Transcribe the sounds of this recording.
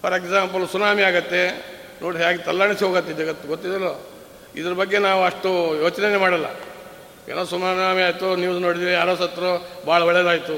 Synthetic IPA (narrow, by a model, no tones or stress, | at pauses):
pɐɾekzaːmpɐlsunaːmiaːɡɐt̪ːe̞ | nʔoːɽiɦjaːɡet̪ɐlːaːɳisiɦoːɡɐt̪ːed͡ʒɐɡɐt̪ːuɡot̪ːid̪ɐloː | ḭd̪ɐɾɐbɐɡːe̞naːʋuɐʂʈujoːt͡ʃnenːemaːɽɐlːɐ̰ | ḛːnoːsunaːmaːmiaːjt̪unjuːsnoːɽid̪iːʋiaːɾosɐt̪ːɐɾobʱaːɭɐʋɐɭɛjɐd̪aːjit̪u